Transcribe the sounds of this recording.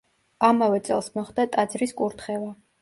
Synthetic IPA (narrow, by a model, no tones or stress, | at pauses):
amavɛt̪sʼɛ̰lˠsmɔχd̪at̪ʼad̪zɾiskʼuɾt̪ʰχɛva